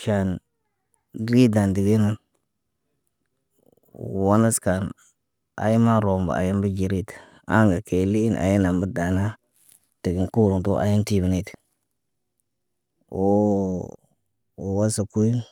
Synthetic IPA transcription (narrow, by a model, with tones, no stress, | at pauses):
ʃa˨n | ɾi˦da˨ndi˨ɡi˦na˨n˨ | wa˦na˦ska˨n | a̰˨ji˦ma˦ɾo˨mba̰˨a̰˨ji˦nbə˦d͡ʒi˨ɾi˦t | a˦ŋɡa˨kʰe˨li˦i˦nʔa̰˨ji˦na˨mbə˦da˨na˦ | ti˨ɡi˨nku˦ɾu˨to˦ʔa̰˨ji˦nti˦bi˨ni˦t | o˦ | o˨wa˦sa˨ku˦ji˦